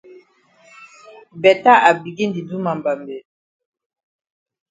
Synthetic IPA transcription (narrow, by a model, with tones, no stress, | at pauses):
bɛ˨ta˦ʔa˨bi˨ɡi˦ndi˨du˦ma˨mba˨mbɛ˨